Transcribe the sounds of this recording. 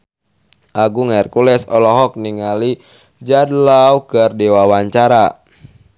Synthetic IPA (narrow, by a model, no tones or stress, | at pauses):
ʔaɡuŋaɛrkulɛsɔlɔɦɔk̚niŋali | d͡ʒadlaukərdewawaɲt͡ʃaɾa